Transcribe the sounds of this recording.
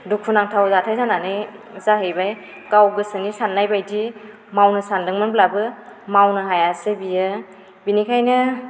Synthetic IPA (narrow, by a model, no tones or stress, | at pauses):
dukʰunaŋtʰawzatʰajsananɯjzaɦɯjbaj | kawɡɯsɯnisanːajbajdi | mawnɯsandɯŋmɯnblabɯmawnɯɦajasɯbijɯ | binikʰajnɯ